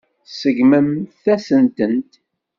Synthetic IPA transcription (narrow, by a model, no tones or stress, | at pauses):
səʝməmθæsənt̪ənt̪